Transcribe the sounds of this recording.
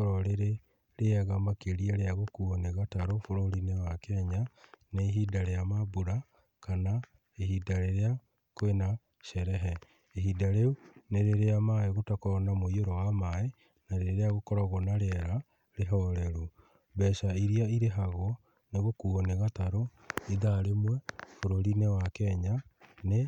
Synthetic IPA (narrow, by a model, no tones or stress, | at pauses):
ɾɔɾeɾe | ɾeɛɣamakeɾieɾeaɣokuɔneɣataɾofoɾoɾinewakɛɲaneːɦidaɾejamabuɾa | kana | eɦidaɾeɾea | kwena | ʃɛɾɛɦɛ | eɦidaɾeuneɾeɾeamaeɣotakɔɔnamoioɾɔwamae | naɾeɾeaɣokɔɾaɣonaɾeɾa | ɾeɦɔɾɛɾu | βɛʃaiɾiaiɾeɦaɣwɔ | neɣokuɔneɣataɾo | iðaɾemwɛfoɾoɾinɛwakɛːɲane